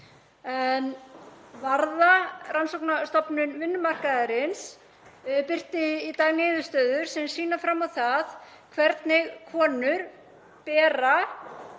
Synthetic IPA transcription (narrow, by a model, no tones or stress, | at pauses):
ɛn | vaɾðarʔansɔwknast̪ɔpnʏnvɪnːʏmar̥kaðɛɾɪns | pɪr̥t̪ɪːt̪aːɣnɪːðʏ̥st̪œːðʏɾ̥sɛmsiːnafɾamːawθað | kʰvɛɾt̪nɪɣkʰɔːnʏɾ | pɛːɾa